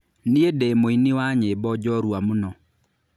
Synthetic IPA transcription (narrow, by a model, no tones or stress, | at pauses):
niedemoinɪwaɲebɔd͡ʒɔɾwamunɔ